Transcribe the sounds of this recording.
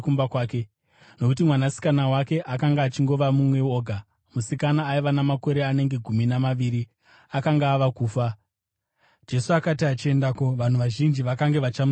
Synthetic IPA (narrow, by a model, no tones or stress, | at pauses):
kumbakwaːke | no̞kut̬imwanasi̥kanawake̞ʔakaŋɡaːt͡ʃiŋɡo̞ʋamumwe̞o̞ːɡʱa | musikanaːiʋanamako̞ɾe̞ane̞ŋɡe̞ɡʱuminamaʋiːɾi | akaŋɡaːʋakuːfa | d͡ʒe̞suakatiat͡ʃie̞ndako̞ʋan̤uʋaʒind͡ʒiʋakaŋɡe̞ʋat͡ʃam